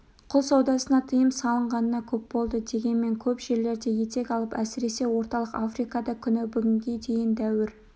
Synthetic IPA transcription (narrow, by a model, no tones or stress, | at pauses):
qʰʊlˠsɑwd̪ɑsənɑt̪ʰəjəmsɑlˠəɴʁɑnənɑkʲʰɵpbo̞lˠd̪əd̪e̞ɡʲe̞nme̞ŋkʲʰɵpʒe̞ɾle̞ɾd̪e̞je̞t̪e̞kʲɑlˠəpæsɪɾe̞se̞wo̞ɾt̪ɑlˠəqafrijkɑd̪ɑkʲʰʏnɪbʏɡʲɪŋɡʲe̞d̪e̞jɪnd̪æwɪɾ